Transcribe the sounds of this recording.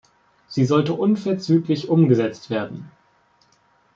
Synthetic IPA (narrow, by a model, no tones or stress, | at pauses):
z̥iːzɔltəʔʊnfɛɐt͡syːklɪçʔʊmɡəzɛt͡stv̥eːɐdn̩